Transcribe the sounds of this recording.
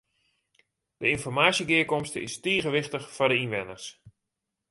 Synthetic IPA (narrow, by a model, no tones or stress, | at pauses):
d̥əinfɔrmaːsjəɡɪəkɔmstəɪ̰stiːɣəʋɪχtəxfɔrdəinʋɛnərs